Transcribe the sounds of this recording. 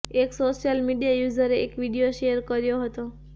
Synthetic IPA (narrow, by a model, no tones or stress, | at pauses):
eksoʃjəlmiɖijajuzəɾeʔekʋiɖijoʃejəɾkəɾjoɦət̪o